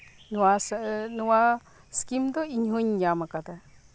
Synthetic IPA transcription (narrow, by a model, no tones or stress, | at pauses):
nuwasnuwa | skimd̪oiɲɦuɲjamakat̪a